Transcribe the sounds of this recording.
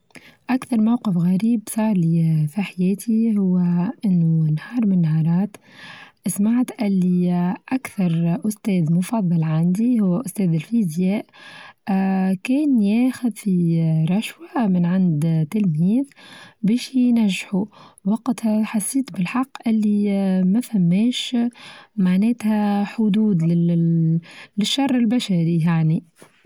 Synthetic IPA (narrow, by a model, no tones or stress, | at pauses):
ʔakθɑɾˤmawqəfɣaɾiːbsɑʕlifiħajɛːt̪ʰihʊwːæʔɪnːunhɑːɾˤmɪnːhɑːɾˤɑːt̪ʔɪsmaʕt̪ʔɪlːiʔakθɑɾˤʔʊst̪ɛːðmʊfɑðˤːɑlʕand̪ihʊwːæʔʊst̪ɛːðɪlfizjɛːʔ | kɛːnjɛːxʊðfiɾˤɑʃwamɪnʕand̪t̪ːɪlmiːðbɛːʃnæʒːħuwɑqt̪hħasːiːt̪bɪlħɑqːʔɪlːimæfæmːɛːʃ | maʕnɛːt̪hæħʊd̪uːd̪lɪ | lɪʃːɑrˤːɪlbæʃaɾijaʕni